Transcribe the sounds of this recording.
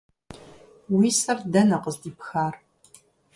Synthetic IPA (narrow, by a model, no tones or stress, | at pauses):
wiːsɐrdɐnɐqəzdiːpxaːr